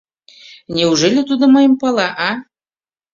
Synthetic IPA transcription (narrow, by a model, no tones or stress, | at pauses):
nʲeuʒelʲĕt̪ud̪ŏmɤjəmpɑlɑʔɑ